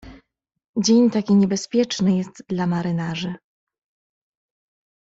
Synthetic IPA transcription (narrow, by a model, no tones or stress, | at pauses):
d͡ʑeɲt̪akʲiɲɛbɛspʲjɛt͡ʂnɘjɛst̪d̪lamaɾɘnaʐɘ